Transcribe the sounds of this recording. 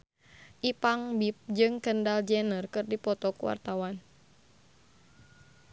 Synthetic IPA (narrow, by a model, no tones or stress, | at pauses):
ʔipaŋbip̚d͡ʒɨŋkəndald͡ʒɛnərkɨrdipɔt̪ɔkuwa̰rt̪awan